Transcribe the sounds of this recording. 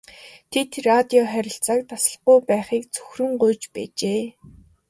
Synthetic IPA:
t̪ʰet̪rat̪ʲiɔχæɾʲɪ̆ɬt͡sak̚t̪ʰasə̥̆ɮɢʊjpæːχiːk̚t͡sʰɵxrɵ̆ŋɢʊjt͡ɕpæ̰ːt͡ɕeː

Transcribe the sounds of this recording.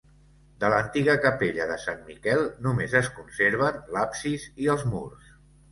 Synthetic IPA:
d̪ələnt̪iɣəkəpeʎəðəsanmikɛlˠnumezəskunseɾβənlapsiziəlˠzmṵrs

